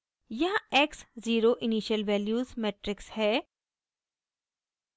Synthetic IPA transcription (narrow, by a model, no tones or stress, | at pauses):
jɐɦeːksziːɾoʔɪniːʃəlʋɛːljuːzmeːʈɾɪkshɛː